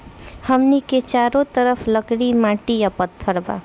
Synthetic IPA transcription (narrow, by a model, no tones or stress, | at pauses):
həmniket͡ʃaɾõt̪əɾəpʰləkɽimãʈijapət̪ʰːəɾba̰